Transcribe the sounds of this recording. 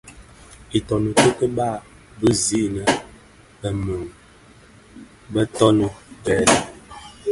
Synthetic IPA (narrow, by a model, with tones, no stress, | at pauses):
i˨tɔ˨nə˨tə˦kə˦ba˦˨ | bə˦zi˦nə˨ | bə˨mə˨ŋ | bə˦tɔ˦nə˦bɛ˦˨lə˨